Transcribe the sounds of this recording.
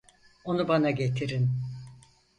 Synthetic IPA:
o̞nubanaɟe̞t̪ʰiɾin

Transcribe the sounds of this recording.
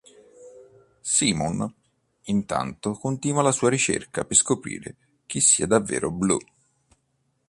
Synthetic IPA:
siːmon | int̪a̰nt̪okont̪iːnwalasuːaɾit͡ʃḛrkapeskopɾḭːɾe | k̟isːiːad̪avːḛːɾoblṵ

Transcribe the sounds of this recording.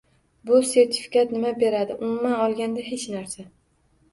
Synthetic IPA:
bʊse̞ɾt̪ʰɪ̥fɪ̥kʲat̪nɪmabe̞ɾad̪ɪʔʊmʊmːanɒlˠɡʲand̪aɦe̞t͡ʃnaɾsa

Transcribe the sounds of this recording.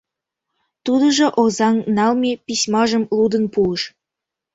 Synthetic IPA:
t̪ud̪ɤ̆ʒɤ̆ʔozɑŋnɑlmʲepʲisʲmɑʒə̆mlud̪ə̆npuəʃ

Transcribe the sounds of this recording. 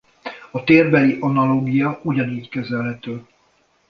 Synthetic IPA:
ɒt̪eːrbɛliʔɒnɒloːɡijɒuɟɒniːckɛzɛlɦɛt̪øː

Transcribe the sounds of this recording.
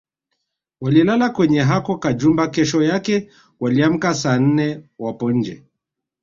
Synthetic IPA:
walilalakwɛɲɛɦakɔkad͡ʒumbakɛʃɔjakɛ | waliam̩kasaːn̩nɛwapɔɲ̩d͡ʒɛ̰

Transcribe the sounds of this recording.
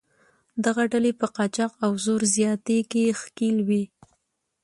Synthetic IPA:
d̪aɣaɖalepəqɑt͡ʃɑqawzoɾzjɑt̪ekexkilwi

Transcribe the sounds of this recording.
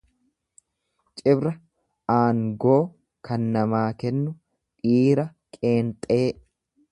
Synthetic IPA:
t͡ʃʼɪbɾɐ | aːŋɡo̞ː | kʰɐnːɐmaːkɛnːʊ | ᶑiːɾɐkʼe̞ːnt̪ʼe̞ː

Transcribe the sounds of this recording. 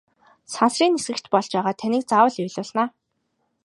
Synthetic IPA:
sansriːnesɡɘ̆kt͡ɕpɔɮt͡ɕpæːʁaːt̪ʰænʲiːk̚t͡sawə̆ɮʊjɮʊːɮnaː

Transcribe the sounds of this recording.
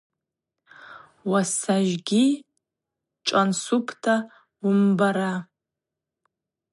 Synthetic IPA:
wasaʒɡʲi | ʈ͡ʂʷʼansupʰtʰa | wʊmbaɾa

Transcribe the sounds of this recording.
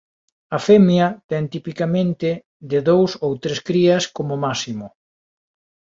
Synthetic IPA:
ɐfɛmjɐt̪ɛnt̪ipikamẽnt̪ɪ | d̪ɪðowsowt̪ɾeskɾiɐskomʊmasimʊ

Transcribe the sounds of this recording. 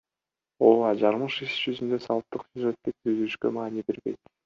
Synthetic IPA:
olˠɑd͡ʒɑɾmɯʃiʃʒ̥yzynd̪øsɑlˠp̚t̪ːɯqsuʒet̪ːep̚syzyyʃkømɑːnibe̞ɾbe̞jt̪

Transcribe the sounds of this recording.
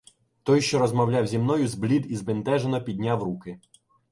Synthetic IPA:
t̪ɔjʃt͡ʃɔɾɔzmɐwlʲawzʲimnɔjʊzblʲid̪izbɪnt̪ɛʒenɔpʲid̪ʲnʲawrukɪ

